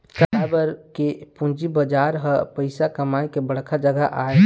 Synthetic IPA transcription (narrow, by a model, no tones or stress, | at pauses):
təabəɾkepũnd͡ʒibəd͡ʒaːɾɦəpəɪsakəmaːikebəɽ̤kʰad͡ʒəɡəʔaːe